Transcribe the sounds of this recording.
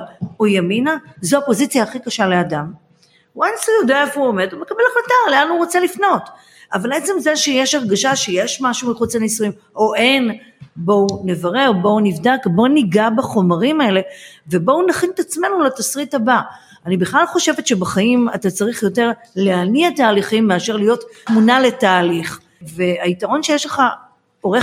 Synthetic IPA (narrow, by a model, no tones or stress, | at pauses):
ojaminazoapo̞zit͡sjaːχikaʃale̞adam | uensujod̪aaefuome̞d̪umekabelaχlataleanuʁo̞t͡selifno̞t | avalet͡semzeʃejeʃaʁɡaʃaʃejeʃmaʃumiχut͡selnisujim | oʔenbo̞une̞vaʁe̞ʁbo̞univdakbo̞niɡabaχo̞maʁimae̞le̞ve̞bo̞unaχinet̪at͡sme̞nulatasʁithaba | anibiχlalχo̞ʃe̞vet̪ʃe̞baχaima̰tat͡saʁiχjo̞te̞ʁ | leaniataːliχimːeaʃe̞ʁlijo̞tmunale̞taːliχ | ve̞aitaʁo̞nʃejeʃleχa | o̞ʁe